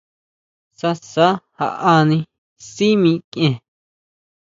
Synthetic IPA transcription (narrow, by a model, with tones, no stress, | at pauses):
sa˧sa˦ha̰˧˨ʔa˧nĩ˧ | si˦mĩ˧kʔẽ˧